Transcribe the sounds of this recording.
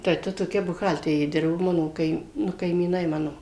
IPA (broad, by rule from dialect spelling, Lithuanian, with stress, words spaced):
tɐɪ ˈtɐ toːˈkʲɛ bʊˈɣɐlʲtʲɛrʲeː ˈdʲɪrboː ˈmɑːnoː ˈkɐɪm ˈnʊ kɐɪmʲiːˈnɐɪ ˈmɑːnoː